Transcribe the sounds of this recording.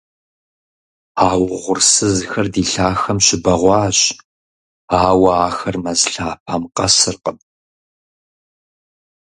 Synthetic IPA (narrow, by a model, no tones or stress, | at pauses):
aːwʁʷʊrsɨzxɐrdiːɬaːxɐmɕɪbɐʁʷɑːɕ | aːwɐaːxɐrmɐzɬaːp̚ʰɐmqɐsɨrqəb